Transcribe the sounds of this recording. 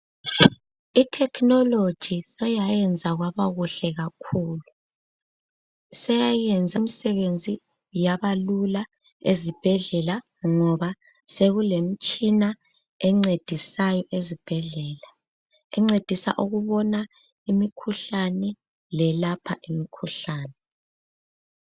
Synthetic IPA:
itʰɛkʰnɔlod̥ʒ̥ʱisɛjajɛnd͡zʱaɣwaβaɣuɬɛɣakʰuːlu | sɛjajɛnd͡zʱamisɛβend͡zʱi | jaβalula | ezib̥ʱɛɮɛla | ŋɔβa | seɣulem̩t͡ʃʼina | ɛŋ͡ǀed̥ʱisajɔʔezib̥ʱɛɮɛːla | ɛŋ͡ǀed̥ʱisa̰ʔuɣuβɔna | imikʰuɬanɛ | lɛlapʰaʔimikʰuɬaːnɛ

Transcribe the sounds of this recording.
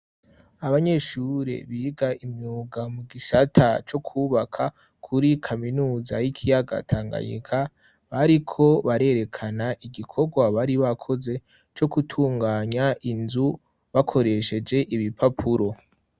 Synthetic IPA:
aβaɲe̞ʃuːɾḛβiːɡaimɲuːɡamuɡiʃatʰat͡ʃo̞kʰuːβakʰa | kʰuɾikʰaminuːzajikʰijaɡa̰tʰaːŋɡa̰ɲḭkʰa | βaɾikʰo̞βaɾe̞ɾe̞kʰanaʔiɡikʰo̞ɡwaβaɾiβakʰo̞ze̞ | t͡ʃo̞kutʰuːŋɡaːɲaʔinzu | βakʰo̞ɾe̞ʃe̞d͡ʒe̞ʔiβipʰapʰuɾo̞

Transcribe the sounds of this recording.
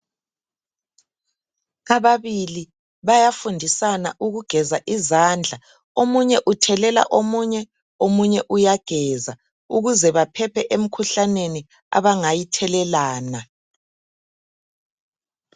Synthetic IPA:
ɣaβaβili | βajafundʱisanaʔuɣuɡ̥ʱɛzaʔizand͡ɮʱa | omuɲɛʔutʰɛlɛla̰ʔomuɲɛ | omuɲɛʔujaɡ̥ʱɛza | uɣuzɛβapʰɛpʰɛʔem̩kʰuɬaneni | a̰βaŋajitʰɛlɛlaːna

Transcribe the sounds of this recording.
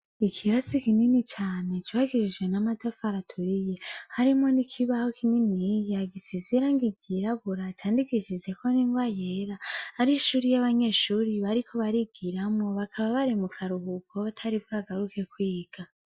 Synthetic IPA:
ikʰiɾasikininit͡ʃaːne̞t͡ʃiβaɡiʃid͡ʒɡwe̞namadafaɾatʰuɾije̞haɾimŋo̞nikʰiβahokʰininijaɡisiziɾaŋɡiɡiɾaɡuɾat͡ʃaːndikiʃize̞kʰo̞niŋvajeɾahːɾiʃuːɾijaβaɲe̞ʃuːɾiβaɾikʰo̞βaɾiɡ̥iɾamŋo̞βakʰaβaβaɾimukʰaɾuhuɡoβatʰaɾibɡaɡaɾuke̞kwiːɡ̥a

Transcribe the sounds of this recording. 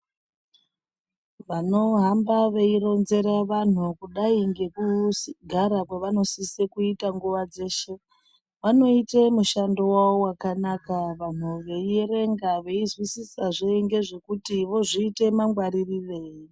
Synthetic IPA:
ʋano̞ɦambaʋeiɾo̞nze̞ɾaʋan̤ukuɗaiŋɡe̞kusɡʱaɾakweʋano̞sisekuitaŋɡuʋad͡ze̞ːʃe̞ | ʋano̞ite̞muʃandowaowakanakaʋan̤uʋe̞ieɾe̞ŋɡaʋe̞izwisisaʐeiŋɡe̞ʐe̞kutiʋo̞ʐiːte̞maŋɡwaɾiriʋe̞ːji

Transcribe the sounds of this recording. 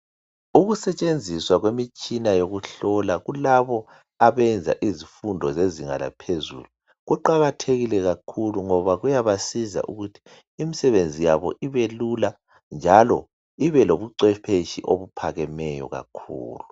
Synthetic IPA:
uɣusɛt͡ʃʼend͡zʱiswaɣwemit͡ʃʼinajoɣuɬɔlaɣulaβɔ | aβɛnd͡zʱa̰ʔizifundʱɔzeziŋa̰la̰pʰezṵlu | ɣuǃaɣatʰeɣilɛɣakʰuluŋɔβaɣujaβasiza̰ʔṵɣutʰi̥ː | misɛβend͡zʱijaβɔ̰ʔiβelula | nd͡ʒʱalɔ | iβɛloβuǀɛpʰeʃḭʔoβupʰaɣɛmɛjɔ̰ɣa̰kʰṵːlu

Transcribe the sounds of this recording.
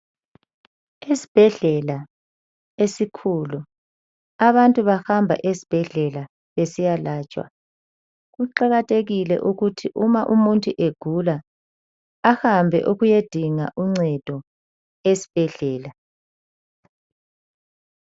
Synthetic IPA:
esi̥b̥ʱɛɮɛla | esikʰulu | aβantʼuβaxambʱa̰ʔesi̥b̥ʱɛɮɛla | βesijalaːt͡ʃʼwa̰ | ɣuǃaɣatʰʼeɣilɛ̰ʔuɣutʰiʔumaʔumuntʼuʔeɡ̥ʱulaː | hambʱɛ̰ʔuɣujed̥ʱiŋaʔuŋ͡ǀɛd̥ʱɔ | esi̥b̥ʱɛɮɛːla

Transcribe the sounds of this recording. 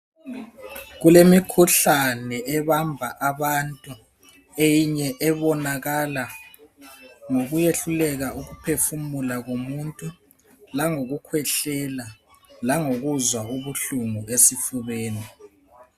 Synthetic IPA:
ɣulemikʰuɬanɛʔɛβambʱaʔaβantʼu | ejiɲɛʔɛβɔnaɣala | ŋoɣujeɬulɛɣaʔuɣupʰefumulaɣomuntʼu | laŋoɣukʰwɛɬɛla | laŋoɣuzwauβuɬuŋuesifuβeːni

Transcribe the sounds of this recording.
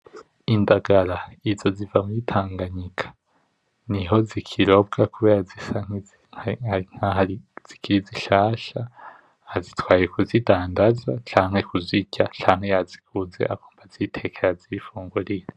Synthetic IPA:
indaɡaɾaizo̞zivamujitʰaːŋɡaɲikʰḁ | niɦo̞zikʰiɾo̞b̚ɡakuβeɾazisaŋ̥i | aiŋaiz̥ikʰiɾiziʃaːʃa | hazitwaːijekuzidaːndazat͡ʃaːŋhe̞kuziɟat͡ʃaːŋhe̞jazikʰuze̞̰ʔakuːmbazitʰe̞kʰeɾaziifuːŋɡuɾiɾe

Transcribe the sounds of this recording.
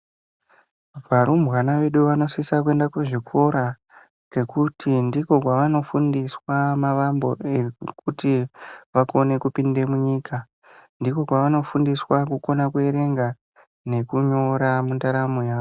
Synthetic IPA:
ʋaɾumʱwanaʋe̞ɗuʋano̞sisak̬ue̞ndakuʐikʰo̞ɾa | ke̞kutʰindiko̞k̬waʋano̞fundiswamaʋambo̞ekutiʋako̞ne̞kupinde̞muɲiːka | ndiko̞kwaʋano̞fundiswakuko̞nakue̞ɾe̞ŋɡa | ne̞kuɲo̞ɾamundaɾamojaːʋo

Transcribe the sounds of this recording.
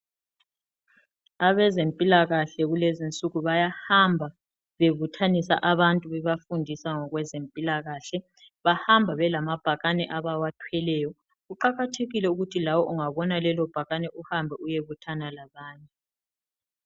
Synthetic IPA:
aβɛzempʼilaɣaɬɛɣulezint͡sʼuɣuβajahambʱa | βeβutʰanisa̰ʔaβantʼuβɛβafundʱisaŋɔɣwɛzempʼilaɣaɬɛ | βahambʱaβɛlamab̥ʱaɣanɛʔaβawatʰwɛlɛːjɔ | ɣuǃaɣatʰeɣilɛuɣutʰilawɔʔuŋaβɔnalɛlɔb̥ʱaɣanɛʔuhambʱɛujeβutʰanalaβaːɲɛ

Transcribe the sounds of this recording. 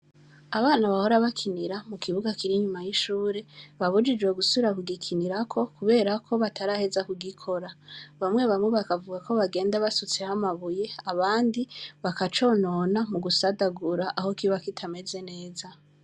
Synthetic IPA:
aβaːnaβaho̞ɾaβakʰiniɾamukʰiβuɡakiɾiɲumajiʃuːɾe̞βaβud͡ʒid͡ʒwe̞ɡusuβiɾakuɡikʰiniɾakʰo̞kuβe̞ːɾakʰo̞βatʰaɾahe̞zakuɡikʰo̞ɾaβamŋe̞βamŋe̞βakavuɡako̞βaɡe̞ːndaβasut͡se̞hamaβuje̞aβaːndiβakat͡ʃo̞ːno̞namuɡusadaɡuɾaʔaho̞kiβakitʰame̞ze̞ne̞ːza

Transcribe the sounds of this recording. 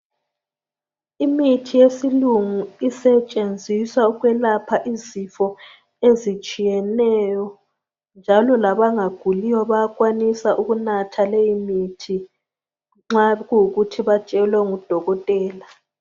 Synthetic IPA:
imitʰijesiluŋuisɛt͡ʃʼend͡zʱiswauɣwɛlapʰaʔizifɔ | ezit͡ʃʼijɛnɛjɔ | nd͡ʒʱalɔlaβaŋaɡ̥ʱuliwɔβakʼwanisaʔuɣunatʰalejimitʰi | ŋ͡ǁaɣuɣutʰiβat͡ʃʼɛlwɛŋud̥ʱɔɣɔtʼɛːla

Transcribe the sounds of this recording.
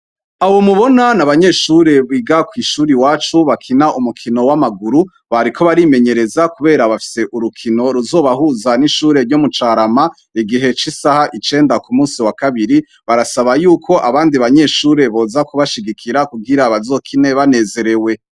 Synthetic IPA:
awomuβo̞nanaβaɲe̞ʃuːɾe̞βiːɡakwiːʃuːɾiwaːt͡ʃuβakʰinaʔumukʰino̞wamaɡuɾu | βaɾikʰo̞βaɾime̞ɲe̞ɾe̞zakuβe̞ːɾaβafi̥se̞ʔuɾukʰino̞ɾuzo̞ːβahuzaniʃuːɾe̞ɾɟomut͡ʃaːɾama | iɡiɦe̞t͡ʃisahaʔit͡ʃe̞ːndakumuːsiwakaβiɾi | βaɾasaβajuːkʰo̞ʔaβaːndiβaɲe̞ʃuːɾe̞βo̞ːzakuβaʃiɡikʰiɾakuɡiɾaβazo̞ːkʰine̞βane̞ːze̞ɾe̞we̞

